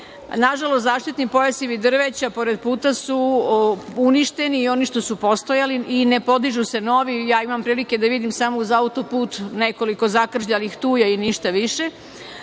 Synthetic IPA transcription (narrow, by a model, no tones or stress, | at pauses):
naʒalost̪zaːʃt̪it̪nipo̞jasiʋid̪r̩ʋet͡ɕapo̞ɾed̪̚puːt̪asu | uniʃt̪e̞niːo̞niʃt̪o̞supo̞st̪o̞jaliinepo̞d̪iʒuse̞no̞ʋijaːimampɾiːlike̞d̪aʋid̪imsamouzaut̪o̞puːt̪ne̞ko̞liko̞zakr̩ʒʎalixt̪uːjainiʃt̪aʋiʃe̞